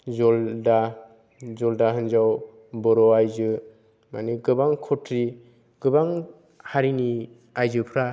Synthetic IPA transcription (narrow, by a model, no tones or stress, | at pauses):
zɔlda | zɔldaɦɯnzaw | bɔɾɔajzɯ | ma̰niɡɯbaŋkʰɔtʰɾi | ɡ̥ɯbaŋ | haɾini | ajzɯpʰɾa